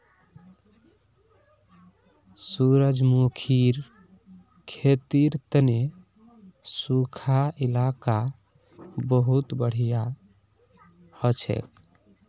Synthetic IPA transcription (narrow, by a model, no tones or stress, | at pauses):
suɾəd͡ʒmokʰiɾ | kʰet̪iɾt̪əne | sukʰailaka | bəɦut̪bəɽ̤ija | hɔt͡ʃʰɛ̰k